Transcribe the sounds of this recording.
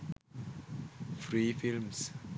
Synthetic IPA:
fɹifilms

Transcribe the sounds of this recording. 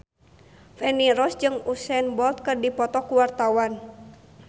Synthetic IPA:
fɛniɾɔsd͡ʒɨŋusɛnbɔlt̪̚kɨrdipɔt̪ɔkuwart̪awan

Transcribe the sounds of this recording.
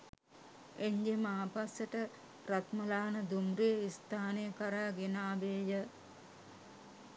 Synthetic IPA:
eɲd͡ʒemaːpasəʈə | rat̪məlaːnəd̪umɾijəist̪ʰaːnejəkaɾaːɡenaːbeːjə

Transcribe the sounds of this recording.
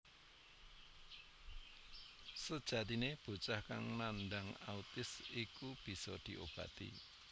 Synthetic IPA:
səd̥ʒ̥ä̤t̪ineb̥ṳt͡ʃahkaŋnanɖaŋaut̪ɪsikub̥i̤sɔ̰d̪̥i̤ʔob̥ä̤t̪ḭ

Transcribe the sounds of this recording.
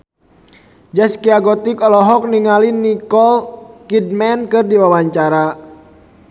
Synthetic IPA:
d͡ʒɛskiaɡɔt̪ikɔlɔɦɔk̚niŋalinikɔlkid̚mɛnkɨrdiwawaɲt͡ʃaɾa

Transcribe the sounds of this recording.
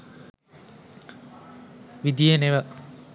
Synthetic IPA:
ʋid̪ijeneʋə

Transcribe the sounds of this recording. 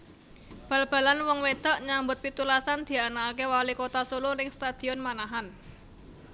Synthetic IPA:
b̥a̤lb̥a̤lanwɔŋwed̪̥a̤ʔɲambʊt̪̚pit̪ulasand̪̥i̤anakewalikot̪asulʊrɪŋst̪ad̪̥i̤ɔnmanaɦan

